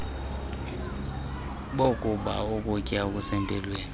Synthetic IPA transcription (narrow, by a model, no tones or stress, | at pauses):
ɓokʼuɓa̰okʼukʼiak̬ʼusɛmpʼɛlweːni